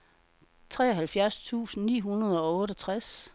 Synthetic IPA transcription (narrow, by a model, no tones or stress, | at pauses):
t͡sʰʁɛ̰ːɐɦælfjæɐst͡sʰṵːsn̩nḭːɦunɐð̞ˠɒ̽ɔ̽ːɾɒt͡sʰʁas